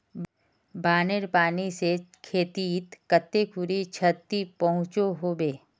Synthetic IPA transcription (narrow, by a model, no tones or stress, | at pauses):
baːneɾpaːnisekʰeːt̪it̪kət̪ːekʰʊɾit͡ʃʰət̪ːipɐɦʊ̃t͡ʃoɦoːbeː